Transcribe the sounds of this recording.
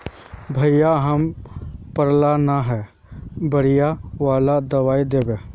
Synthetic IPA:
bʱəijaɦəmpəɾlanaɦɛː | bəɽɪjaʋaːlad̪əʋaːid̪eːbeː

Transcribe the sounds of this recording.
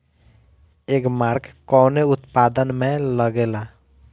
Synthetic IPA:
ekmaɾkkɔneʊt̪pad̪ənmẽləɡela

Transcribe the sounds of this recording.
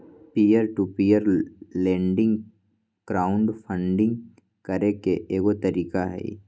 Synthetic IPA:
pijəɾʈupijəɾlẽːɳɖɪ̃ŋɡ | kɾaːʊ̃ɳɖpʰə̃ɳɖɪ̃ŋɡ | kəɾekeʔeːɡot̪əɾiːkaɦɛ̰ḭ

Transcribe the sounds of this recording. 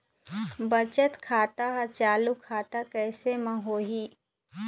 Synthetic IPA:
bɐt͡ʃət̪kʰaːt̪aɦt͡ʃaːlukʰːaːt̪akɛːsemãɦoːɦiː

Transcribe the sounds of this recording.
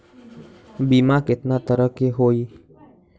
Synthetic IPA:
bimãket̪nat̪əɾəkeɦoi

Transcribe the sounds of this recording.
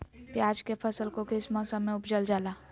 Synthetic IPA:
pjaːd͡ʒkepʰəsəlkokɪsmɔ̃sə̃mːẽʊpd͡ʒəld͡ʒaːlaː

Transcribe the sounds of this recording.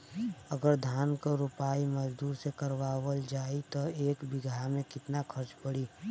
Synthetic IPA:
əɡəɾd̪ʱaːnkoɾʊpaːiməd͡ʒd̪uːɾsekəɾwaːwəld͡ʒaːit̪ɔeːkbɪɡʱamẽkɪt̪nakʰəɾt͡ʃpəɽiː

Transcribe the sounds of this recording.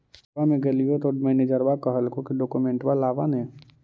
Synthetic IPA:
amẽɡelijot̪oɖmɛːneːd͡ʒəɾbakaɦəlkõkiɖoːkumẽɳʈʋalːaːʋanẽː

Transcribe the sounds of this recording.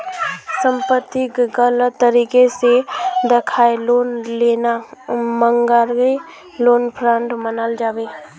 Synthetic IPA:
sə̃mpət̪ːɪkɡələt̪ːəɾiːkesed̪ɪkʰaːeloːnleːnamə̃ŋɡaɾɡe | loːnpʰɾə̃ɳʈmənald͡ʒaːʋeː

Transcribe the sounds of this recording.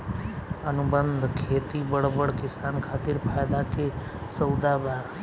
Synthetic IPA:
ənubənd̪ʱkʰeːt̪ibəɽbəɽkɪsankʰaːt̪ɪɾpʰaːjd̪ake | səwd̪abaɾ

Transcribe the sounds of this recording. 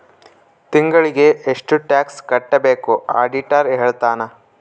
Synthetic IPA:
t̪iŋɡɐɭiɡe̞eʂʈuʈaːkskɐʈːɐbe̞ːkua̰ːɖiʈɐɾɦeːɭt̪aːnɐ

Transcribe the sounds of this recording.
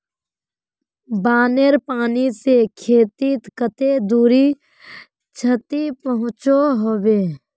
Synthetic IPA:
baːneɾpaːnisekʰeːt̪it̪kət̪ed̪uːɾi | t͡ʃʰət̪ipəɦʊ̃t͡ʃoɦoːʋeː

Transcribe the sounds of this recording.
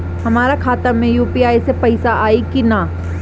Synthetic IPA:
hɐmaːɾakʰaːt̪əmẽjuːpiaːisepɐɪsaʔaːikina

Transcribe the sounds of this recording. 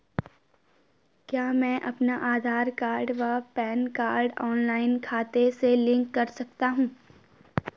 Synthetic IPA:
kjaːmɛ̃ːʔɐpnaʔaːd̪ʱaːɾkaːɾɖʋapɛːnkaːɾɖɔːnlaːɪnkʰaːt̪eselɪ̃ŋkːɐɾsɐk̚t̪aɦũː

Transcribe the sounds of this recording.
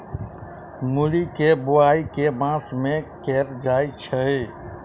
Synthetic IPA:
mulikebʊaːikemãːsmẽkeːɾd͡ʒaːit͡ʃʰəe

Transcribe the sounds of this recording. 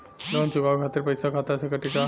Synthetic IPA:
lonsubʱaʋkʰat̪iɾpəjsakʰat̪asekəʈika

